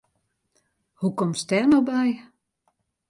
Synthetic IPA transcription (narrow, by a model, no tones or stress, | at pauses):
hukɔmstɛrnobɛj